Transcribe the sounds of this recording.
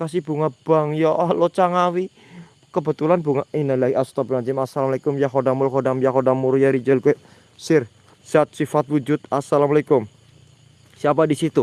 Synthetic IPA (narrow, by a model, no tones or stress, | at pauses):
kasibuŋab̥aŋjaʔalot͡ʃaŋawi | kəbət̪ulanbuŋainalaɡiʔast̪ɔbinad͡ʒɪmasalamalekʊmjaɦodamʊlkodamjakodamuɾjaɾid͡ʒəlkɛ | sɪr | siat̪̚sifat̪̚wud͡ʒʊt̪̚asalamalekʊm | siap̬adisit̪u